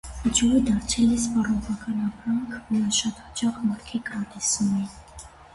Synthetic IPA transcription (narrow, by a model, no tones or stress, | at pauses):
d͡ʒɔɾəd̪ɑɾt͡sʰɛlɛspɑrɔʁɑkɑnɑpɾɑŋkʰɾɑʃɑt̪hɑt͡ʃɑχmɑɾkʰikəɾɑt̪ɛsumi